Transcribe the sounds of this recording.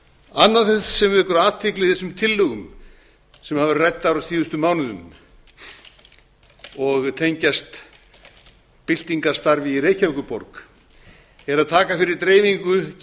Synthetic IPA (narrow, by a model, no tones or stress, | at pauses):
anːaθɛnssɛmvɛhkʏɾaːt̪ʰɪklɪɪθɛsʏmt̪ʰɪlːʏɣʏm | sɛmhavɪɾrɛjt̪ːawɾasiːðʏst̪ʏmaːwnʏðʏ̰m | ɔɣt̪ʰejɲcast̪ | pɪl̥t̪iŋkḁst̪aɾvɪireːjcʰalkʏpɔɾk | ɛɾaðt̪ʰaːkafɪɾɪɾt̪ɾeːjmiŋkʏ